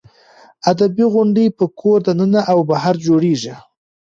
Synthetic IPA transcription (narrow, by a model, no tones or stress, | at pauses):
ad̪abiɣʊɳɖepəkʰoɾd̪anənaʔawbaɦaɾd͡ʒoɽeʒi